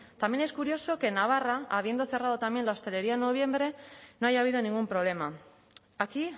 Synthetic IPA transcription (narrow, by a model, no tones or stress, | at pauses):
t̪amje̞neskuɾjo̞so̞ke̞naβ̞araaβ̞je̞nd̪o̞θe̞raðo̞t̪amje̞nlaost̪e̞le̞ɾiaenːo̞β̞jẽ̞mbɾe̞no̞aʝaːβið̞o̞nĩŋɡumpɾo̞β̞le̞ma | aki